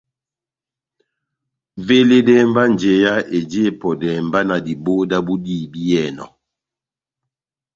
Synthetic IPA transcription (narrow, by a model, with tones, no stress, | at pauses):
ve˦le˦dɛ˦mba˦n˨d͡ʒe˨ja˦e˨d͡ʒe˦˨pɔ˨dɛ˨mba˦na˨di˨bo˦da˦bu˦diː˦˨bi˦jɛ˨nɔ̰˨